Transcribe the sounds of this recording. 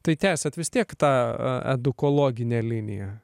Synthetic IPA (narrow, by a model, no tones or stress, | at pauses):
t̪ɐɪt̪ʲæːsʲɛt̪ʋʲɪst̪ʲiɛkt̪ɑ̰ːɛ̰d̪ʊkoːlˠoːɡʲɪnʲɛːlʲɪnʲɪ̰jɛ̰